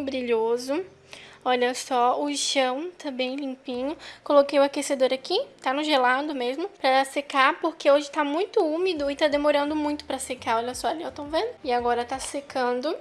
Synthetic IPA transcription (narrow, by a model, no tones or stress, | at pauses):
bɾiʎozʊ | ɔʎɐsɔʊʃɐ̃w̃t̪ɐ̃mbẽj̃lĩpĩɲʊkolokejʊakesed̪oɾakit̪anʊʒelad̪ʊmezmʊpɾɐsekapoɾkeoʒɪt̪amũj̃t̪ʊũmid̪ʊɪt̪ad̪emoɾɐ̃nd̪ʊmũj̃t̪ʊ̥pɾɐsekaɾɔʎɐsɔaliẽwt̪owvẽd̪ʊɪaɡɔɾɐt̪asekʰɐ̃d̪ʊ